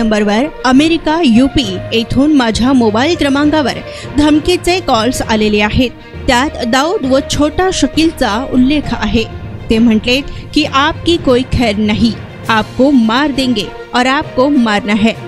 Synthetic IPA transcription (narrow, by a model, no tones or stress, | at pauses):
ɐ̃mbəɾʋɐɾɐmeːɾɪkajuːpieːt̪ʰuːnmaːd͡ʒʱamoːbaːɪlk̪ɾɐmãːŋɡaʋɐ̰ɾ | d̪ʱɐmkit͡sekɔːlsa̰ːleleaːɦe | t̪jaːt̪d̪aːud̪ʋot͡ʃʰoːʈaʃɐkilt͡saʊlːeːkʰa̰ːɦet̪em̤ɐɳʈlekiʔaːp̚kikoːikʰɛːɾnɐɦĩ | aːp̚komaːɾd̪ẽːŋɡe | ɔːɾaːp̚komaːɾnaɦɛː